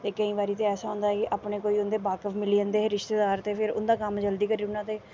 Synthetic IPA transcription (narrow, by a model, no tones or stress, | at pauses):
t̪eːkəĩːʋaːɾiːt̪eːɛːsaːɦõːnd̪aːɦɛkɪʔaːpɳeːkoːiːʊnd̪eːbaːkəʋmɪliːənd̪eːɦeɾɪʃt̪eːd̪aːɾt̪eːpʰɪɾʊ̰nd̪aːkəmd͡ʒəld̪iːkəɾiːʊnãːt̪eː